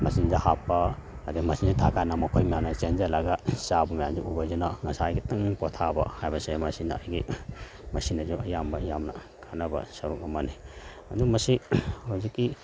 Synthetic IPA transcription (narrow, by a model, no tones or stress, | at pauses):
mɐsinzahapːɐ | adimɐsinzitʰakʰanamɐkʰojmijamnɐt͡ʃend͡ʒɐlaɡasabɐmɐjamzuʔubɐzunaŋɐsaːjɡitɐŋpɔtʰabɐ̰hajbɐsemɐsinːɐɐjɡi | mɐsinɐzuɐjambɐɐjamnɐ̰ | kʰanɐbɐ̰sɐɾukɐmɐni | ɐ̰dumɐsihawzikːi